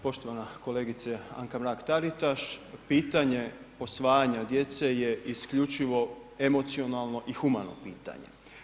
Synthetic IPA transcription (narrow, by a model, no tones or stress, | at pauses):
po̞ʃt̪o̞ʋanako̞leːɡit̪sea̰ŋkamɾaːkt̪aɾit̪aʃpiːt̪aɲe̞ | po̞sʋaːjaɲad̪je̞t̪se̞je̞iskʎut͡ʃiʋo̞ | e̞mo̞t̪sio̞nalˠno̞ʔixumano̞̰piːt̪a̰ɲe̞̰